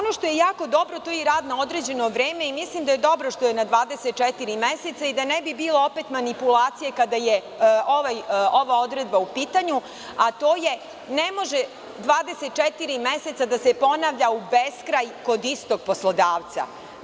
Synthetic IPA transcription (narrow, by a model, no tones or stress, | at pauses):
onoʃt̪o̞jejaːko̞d̪o̞bɾo̞t̪ojeɾaːd̪nao̞d̪ɾed͡ʑe̞no̞ʋɾeːme̞imislimd̪aje̞d̪o̞bɾoʃt̪o̞jenad̪ʋaːd̪eset̪̚t͡ʃɛt̪iɾimeset̪said̪anebibiːlˠo̞opet̪manipulaːt̪sije̞kad̪aje | oʋajoʋaod̪ɾed̪baupiːt̪aɲu | at̪oːje | nemo̞ʒe | d̪ʋaːd̪eset̪̚t͡ʃet̪iɾimese̞t̪sad̪asepo̞naʋʎaubeskɾajko̞d̪ist̪o̞ɡ̚poslˠod̪aːʋt̪sa̰